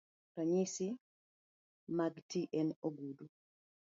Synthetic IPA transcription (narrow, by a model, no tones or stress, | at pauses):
ɾaɲisi | maɡtiʔɛnoɡudu